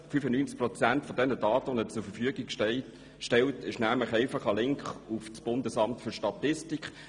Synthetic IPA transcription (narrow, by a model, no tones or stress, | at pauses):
fyfənyːnt͡skpʁɔt͡sæntfɔdɛnəd̥ɑːtəɔnət͡sʊɾfəfyəɡɪɡ | ʃtɛltʰɪʃnæmləχɛɪfɑχɑlɪŋkχufsb̥ʊndəsɑmtfʏʃtɑtɪstikχ